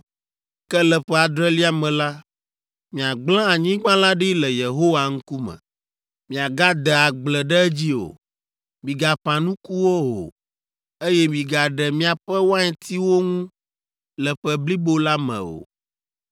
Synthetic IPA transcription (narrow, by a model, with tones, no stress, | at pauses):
kɛ˦lɛ˨ɸɛ˦a˨d̪ɾɛ˦li˦a˨mɛ̃˨la˦ | mĩ˨a˨ɡ͡blã˦a˨ɲĩ˦ɡ͡bã˦la˦ɖi˦lɛ˨je˨ɦo˦wa˨ŋ̩̃˦ku˦mɛ̰̃˨ | mĩ˨a˨ɡa˦d̪ɛ˨a˨ɡ͡blɛ˨ɖɛ˦ɛ˦d͡ʑi˦o̰˨ | mĩ˨ɡa˨ɸã˨nũ˦ku˦wo˦o̰˨ | e˦jɛ˦mĩ˨ɡa˨ɖɛ˨mĩ˦a˨ɸɛ˦wo˦a˦ɲɛ̃˨t̪ʰi˦wo˦ŋũ˦ | lɛ˨ɸɛ˦bli˦bo˦la˦mɛ̰̃˨o̰˨